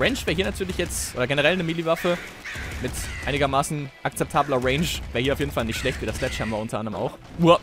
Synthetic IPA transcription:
ʁɛɪnʃv̥eːɐɦiːɐnatʰyːɐlɪçjɛt͡sʔoːdɐɡenəʁ̞ɛlnəmilivafə | mɪtʔaɪnɪɡɐmaːsn̩ʔak̚t͡sɛp̚tʰaːblɐʁɛɪnʃveːɐhiɐaʊjeːdn̩falnɪçtʃlɛçtv̥iːdɐslɛt͡ʃhabmviːɐʊntɐʔandəʁəma̰ʊx | uə

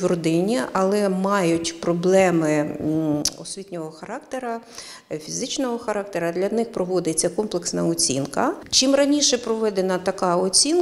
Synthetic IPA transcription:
ʋrɔd̪ɪnʲiɐlˠɛmɑjʊtʲpɾɔblˠɛmɪ | ɔ̰sʲʋʲitʲnʲɔɦɔxɐɾɑkt̪eɾɐ | fʲizɪt͡ʃnɔɦɔxɐɾɑkt̪eɾɐd̪lʲɐnɪxpɾɔʋɔd̪ɪt͡sʲːɐkɔmplˠeksnɐɔt͡sʲḭnkɐt͡ʃimrɐnʲiʃɛpɾɔʋɛd̪enɐt̪ɐkɑɔt͡sʲin

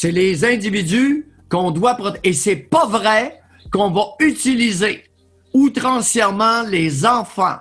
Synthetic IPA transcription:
sɛlezɛ̃d̪ivid̪y | kɔ̃d̪wapʁɔt̪esɛpavʁɛ | kɔ̃vayt̪ilize | ut̪ʁɑ̃sjɛʁmɑ̃lezɑ̃fɑ̰̃

